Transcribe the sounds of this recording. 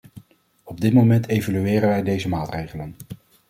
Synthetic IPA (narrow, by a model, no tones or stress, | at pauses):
ɔb̚dɪtmomɛntejvolyɪːrənʋɛjdejzəmaːtrejχələn